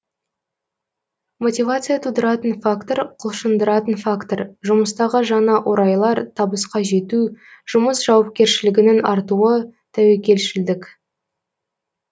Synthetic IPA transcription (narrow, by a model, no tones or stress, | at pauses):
mo̞t̪ʲivat̪sɨjat̪ʰud̪əɾɑt̪ənfakt̪oɾqʰʊlˠʃənd̪əɾɑt̪ənfakt̪oɾʒʊməst̪ɑʁəʒɑnɑʔo̞ɾɑjlˠɑɾt̪ʰɑbəsqɑʒe̞t̪uʒ̥ʊməsʒ̥ɑwɑp̚kʲe̞ɾʃɪlɪɡʲɪnɪnɑɾt̪uət̪ʰæwe̞kʲe̞lʃɪld̪ɪkʲ